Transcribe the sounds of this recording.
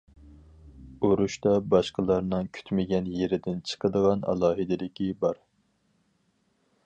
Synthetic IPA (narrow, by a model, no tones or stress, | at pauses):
oɾuʃt̪ɑbɑʃqəlˠɑɾnɨŋkʲʰy̥t̪mɪɡʲɛnjeɾɪd̪ɪnt͡ʃʰə̥qəd̪əʁɑnɑ̰lˠɑːɦɪd̪ɪlɪkʲibɑɾ